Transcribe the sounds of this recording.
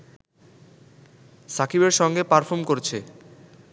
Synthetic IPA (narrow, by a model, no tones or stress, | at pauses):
sakʰibeɾʃɔŋɡepaɾfʰoɾmkoɾet͡ɕʰe